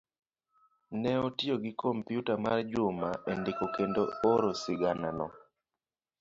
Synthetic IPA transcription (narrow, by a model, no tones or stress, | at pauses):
nɛotioɡɪkʰompjutamard͡ʒʊmaʔendekokendoːɾosɪɡananɔ